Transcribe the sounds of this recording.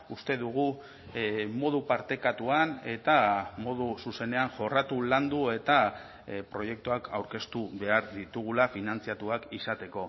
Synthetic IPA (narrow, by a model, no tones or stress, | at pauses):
ust̪e̞ðuɣ̞u | mo̞ð̞upaɾt̪e̞kat̪uane̞t̪amo̞ð̞ususe̞ne̞aŋʝo̞rat̪uland̪ue̞t̪a | pɾo̞je̞k̚t̪uakʰawɾke̞st̪uβe̞aɾðit̪uɣ̞ulafinant͡siat̪uakisat̪e̞ko̞